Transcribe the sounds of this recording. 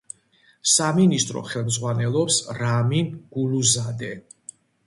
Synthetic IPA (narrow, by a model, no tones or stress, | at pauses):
saminist̪ʼɾɔ̰χɛlˠmd̪zʁwanɛlˠɔpsɾaminɡ̥uluzad̪ɛ